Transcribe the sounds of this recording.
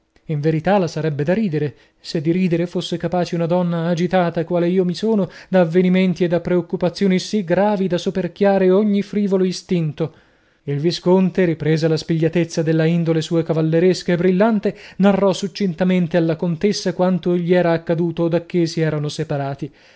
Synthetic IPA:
iɱveɾit̪alasaɾɛbːed̪aɾiːd̪eɾe | sed̪iɾiːd̪eɾefosːekapaːt͡ʃeunad̪ɔnːaːd͡ʒit̪aːt̪akwaːleiːomisoːnod̪aːvːeniment̪ied̪ːapːɾeokːupat̪sːjoːnisiɡɾaːvid̪asoperkjaːɾeoɲːifɾiːvoloist̪int̪o | ilviskont̪eɾipɾɛːzelaspiʎːat̪et̪sːad̪elːaind̪olesuːekavalːeɾeskaebːɾilːant̪enarːɔsut͡ʃːint̪ament̪ealːakont̪esːakwant̪oʎiɛːɾaːkːad̪uːt̪od̪akːesiɛːɾanosepaɾaːt̪i

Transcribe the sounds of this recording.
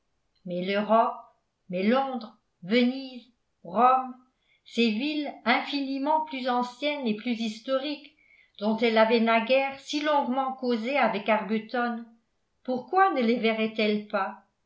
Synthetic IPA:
mɛləʁɔp̚ | mɛlɔ̃d̪ʁ | vəniz | ʁɔm | sevilɛ̃finimɑ̃plyzɑ̃sjɛneplyzist̪ɔʁik | d̪̥ɔ̃t̪ɛlavɛnaɡɛʁsilɔ̃ɡmɑ̃kozeavɛkaʁbyt̪ɔn | puʁkwanəlevɛʁɛt̪ɛlpa

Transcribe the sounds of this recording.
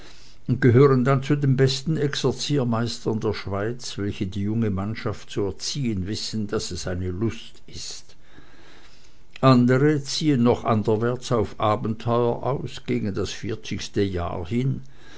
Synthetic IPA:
ʊnt̚ɡ̥əɦøːʁəndant͡sudembɛstn̩ɛksɛɐt͡siːɐmaɪstɐndeːɐʃv̥aɪt͡sv̥ɛlçədiːjʊŋəmanʃaftt͡suɛɐt͡siːənvɪsn̩d̥asɛsaɪnəlʊst | ɪst | ʔandəʁət͡siːənːɔχʔandəvɛɐt͡saʊfʔaːbn̩tʰɔʏɐʔaʊsɡ̥eːɡn̩dasfɪɐt͡sɪçstəja̰ːhɪn

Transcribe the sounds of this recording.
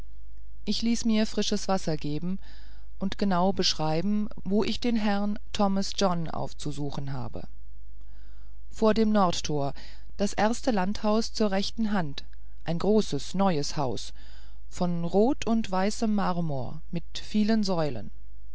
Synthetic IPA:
ʔɪçliːsmiːɐfʁ̥ɪʃəsv̥asɐɡeːbm̩ | ʔʊntɡ̥ənaʊbəʃʁ̥aɪbm̩ | voːʔɪçd̥eːnɦɛʁn | tʰɔməsd͡ʒɔnʔa̰ʊft͡suzuːxn̩ɦa̰ːbə̰ | foːɐdeːmnɔɐtːʰoːɐ | d̥asʔeɐstəlanthaʊst͡suːɐʁɛçtn̩ɦant | ʔaɪnɡʁoːsəsnɔʏəshaʊs | fɔnʁoːtʰʊntv̥aɪsəmːaʁɐmṵːɐmɪt | fiːlənzɔʏlə̰n

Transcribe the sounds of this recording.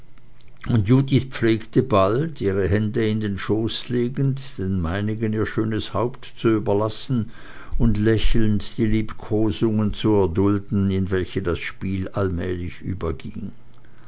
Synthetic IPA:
ʔʊntjuːdɪtp͡fleːktəbaltiːʁ̞əɦɛndəɪndeːnʃoːsleːɡn̩td̥eːnmaɪnɪɡəniːɐʃøːnəshaʊptt͡suyːbɐlasn̩ | ʊntlɛçl̩ntd̥iːliːpkʰoːzʊŋənt͡suɛɐdʊldn̩ɪnvɛlçədasʃpiːlalmɛːlɪçʔy̰ːbɐɡɪ̰ŋ

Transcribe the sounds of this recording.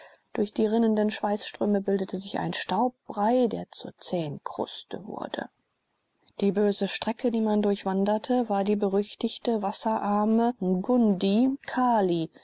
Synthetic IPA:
d̥ʊɐçd̥iːʁɪnəndənʃv̥aɪsʃtʁ̥øːməbɪldətʰəzɪça̰ɪnʃtaʊp̚b̥ʁaɪdḛːɐt͡suːɐt͡sɛːnkʰʁ̥ʊ̰stə̰vʊ̰ɐdə̰ | d̥iːbøːzəʃtʁ̥ɛkʰədiːmandʊɐçv̥andɐtʰəvaːɐdiːbəʁʏçtɪçtəvasɐʔaɐməm̩ɡʊndikʰaːli

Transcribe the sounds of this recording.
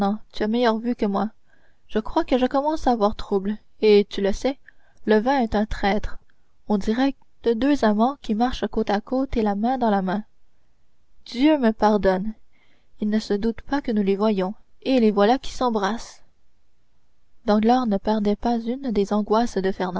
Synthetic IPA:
ɔ̃t̪yamɛjœʁvykəmwa | ʒ̥əkχwakəʒəkɔmɑ̃saːvwaʁt̪χubl | et̪yləsɛləvɛ̃ɛt̪ɛ̃t̪χɛːt̪χ | ɔ̃d̪iʁɛ | d̪̥əd̪øzamɑ̃kʲimaʁʃakot̪akot̪elamɛ̃d̪ɑ̃lamɛ̃ | d̪jøməpaʁd̪ɔn | ilnəsəd̪ut̪pakənulevwajɔ̃elevwalakʲi̥sɑ̃bʁas | d̪ɑ̃ɡlaʁnəpɛʁd̪ɛpazynd̪ezɑ̃ɡwasd̪əfɛʁnɑ̃

